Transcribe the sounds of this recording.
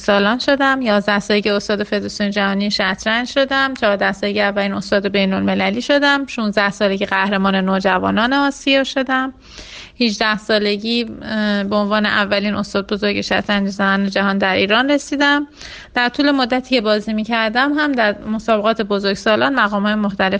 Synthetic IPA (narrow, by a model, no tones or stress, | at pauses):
sɒːlɒːnʃo̞d̪æmjɒːzd̪æhsɒːleɟieost̪ɒːd̪e̞fe̞d̪ɾɑsijoned͡ʒæhɒːnieʃæt̪ʰɾænd͡ʒʃo̞d̪æmt͡ʃʰɒːɾd̪æhsɒleɟiævːæliːno̞st̪ɒːd̪ebe̞jnolme̞læliːʃo̞d̪æmʃunzd̪æhsɒːle̞ɟiːɣæhɾe̞mɒːne̞noːd͡ʒævɒ̰ːnɒːneɒːsijɒːʃo̞d̪æm | hid͡ʒd̪æhsɒːle̞ɟiːbeonvɒːneʔævːæliːnʔost̪ɒːd̪̚bozo̞ɾɟeʃæt̪ʰɾænd͡ʒezæmæːned͡ʒæɦɒːnd̪æɾʔiːɾɒːnre̞siːd̪æm | d̪̥æɾt̪ʰuːle̞mo̞d̪ːæt̪ʰiːcʰe̞bɒːzimiːcʰæɾd̪æmɦæmd̪æɾmo̞sɒːbe̞ɣɒːt̪ʰe̞bozoɾɡsɒːlɒːnmæɣɒːmhɒːjemoxt̪æle̞f